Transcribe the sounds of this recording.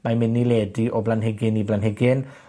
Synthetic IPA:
mamɪnːileːdiʔɔblanɦɛɡɪniblanɦɛɡɪn

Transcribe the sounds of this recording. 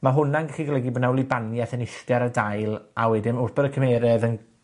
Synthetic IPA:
maɦʊnanɡɛχiɡalɛɡiboːdnawlˠibanjaθənɪɬtjaɾadajlˠawɛdɪmʊrbɛɾəkʰəmeːɾɛðən

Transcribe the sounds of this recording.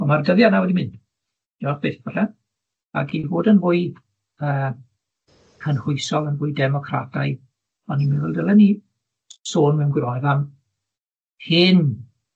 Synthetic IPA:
ɔmardəðjanawɛdimɪnd | dɔχb̥eːθbəɬɛ | a̰ɡivoːdənvʊːɨ | əː | kʰənrʊɨsɔlˠənvʊːjdɛmɔkʰradʰaj | ɔnimɪnɛlˠdəlˠɛni | soːnmɛwnɡwɪɾɔjðam | hɪn

